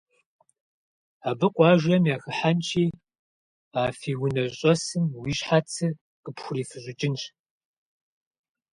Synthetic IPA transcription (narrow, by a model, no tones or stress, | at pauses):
aːbɨqʷʼɑːʒɐmjaːxɨħant͡ʃʰiː | aːfiːwʊnɐɕɕʼɔsɨmwiːɕħat͡sʰɨ | qəpxʷʊriːfɨɕʷʼʊt͡ʃʼɪnɕʼ